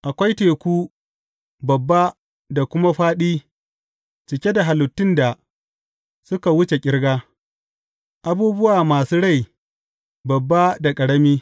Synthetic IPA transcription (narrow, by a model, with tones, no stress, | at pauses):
ʔa˨kʷa˦jteː˨kʷuː˦ | bɐ˨bːa˦ | da˨kʷʊ˦ma˦ɸaː˦ɗiː˦ | t͡ʃɪ˨kʲe˦da˨ɦa˨lʊ˨tːɪ˦nda˨ | sʊ˦ka˨wʊ˦t͡ʃe˨kʲʼɪ˦ɽɡaː˦ | ʔa˦buː˦bʊ˦waː˨maː˨suː˦ɽa˦˨j | bɐ˨bːa˦da˨kʼɐ˨ɽɐ˦miː˦